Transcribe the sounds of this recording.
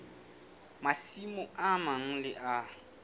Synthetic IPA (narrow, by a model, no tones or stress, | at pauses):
masimʊamaŋ̩lɪʔa